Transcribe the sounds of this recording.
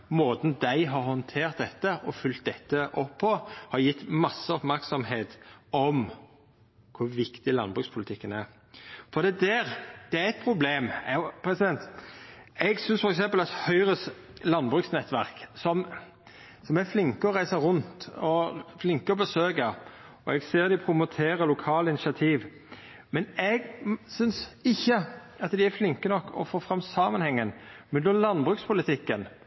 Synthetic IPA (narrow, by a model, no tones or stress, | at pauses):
moːd̪n̩d̪æɪɦɑɾhɔnt̪ʰeːʁt̪̚d̪ɛt̪ːəɔfʉlt̪̚d̪ɛt̪ːəʔɔpʰːɔhɑɾjɪt̪ːmɑsːəɔpmæɾksɔmheːt̪ɔm | kʰʊɾʋɪkt̪ɪlɑnbʁʉkspʰʊlɪt̪ʰɪkːənæɾ | fɔɾd̪ɛːd̪æɾd̪̥ɛæɾɛɪt̪̚pʰɾʊbleːmpʰɾɛsɪd̪ɛnt̪ | ɛɡsʏnsfɔɾɛksɛmpəlɑt̪hœʏɾəs | lɑnbʁʉksnɛt̪ːʋæʁksɔm | sɔmæɾflɪŋkəɔɾæɪsəʁʉnt̪ɔflɪŋkəɔbəsøːɡɑ | ɔɛɡseːɾd̪ɪpʰɾʊmʊt̪ʰeːɾəlʊkʰɑːləɪnɪʃɑt̪ʰiːʋ | mɛnɛɡsʏnsɪçːə | ɑt̪d̪ɪæɾflɪŋkənɔkːɔ̰foːfɾɑmːsɑːmənhɛŋːənmʉnd̪ɔlɑnbʁʉːkspʰʊlɪt̪ʰɪkːən